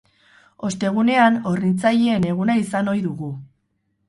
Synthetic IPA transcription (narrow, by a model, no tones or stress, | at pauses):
o̞st̪e̞ɣ̞une̞ano̞rnint͡sajeːne̞ɣ̞unaisano̞jðuɣu